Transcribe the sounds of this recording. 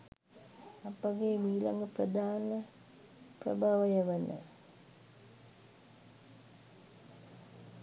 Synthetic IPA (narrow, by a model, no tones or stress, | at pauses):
apəɡeːmiːla̰ŋɡəprəd̪aːnə | prə̰bʱaʋəjəʋənə̰